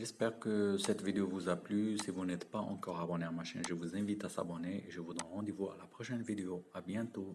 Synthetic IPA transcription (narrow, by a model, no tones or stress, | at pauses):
ʒɛspɛʁkəsɛt̪vid̪eovuzaplysivunɛt̪paɑ̰̃kɔʁabɔnɛʁmaʃḭ̃nʒəvuzɛ̃vit̪asa̰bɔneeʒəvud̪ʁɛ̃nʁɑ̃d̪evua̰lapχɔʃɛnvid̪eoabjɛ̃t̪o